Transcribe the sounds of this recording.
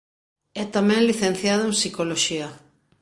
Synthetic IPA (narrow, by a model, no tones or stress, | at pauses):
ɛt̪amɛ̃ŋliθen̟θjaðʊẽŋsikoloʃiɐ